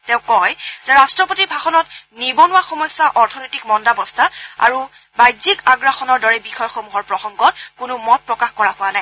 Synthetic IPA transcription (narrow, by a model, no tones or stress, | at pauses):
teʊ̃kɔjzɛɹastɹɔpotibʱaxɔnɔtnibɔnʊwaxɔmɔjsːaʔɔɹtʰɔnɔjtikmɔndabɔstʰaa̰ɹu | bajzikaɡɹaxɔnɔɹdɔɹɛbixɔjɔxɔmuɦɔɹpɹɔxɔŋɡɔt̚kʊnʊmɔt̚pɹɔkaxkɔɹaɦʊanaj